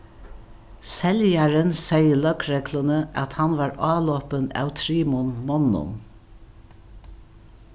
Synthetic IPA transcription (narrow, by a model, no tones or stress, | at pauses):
sɛljaɾənsɛjəlœkɹɛklənəʔat̪hanʋɑːɹɑːlɔpənæ̰wt̪ʰɾiːmʊnmɔnːʊ̰n